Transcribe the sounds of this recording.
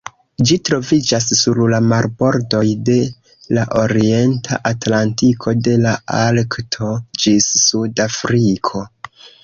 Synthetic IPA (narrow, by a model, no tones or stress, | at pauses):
d͡ʒitɾo̞vid͡ʒasːuɾlamaɾbo̞ɾdo̞jde̞ | laʔo̞ɾie̞ntʰa̰ʔatlantikʰo̞de̞laalktʰo̞d͡ʒisːudafɾikʰo̞